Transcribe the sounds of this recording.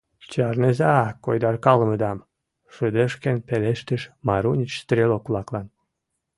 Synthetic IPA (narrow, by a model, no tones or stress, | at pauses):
t͡ɕɑrnezɑkojd̪ɑrkɑlə̆mə̆d̪ɑm | ʃəd̪ə̆ʃkenpeleʃt̪ə̆ʃmɑɾunʲit͡ɕst̪rʲelokulˠɑklɑn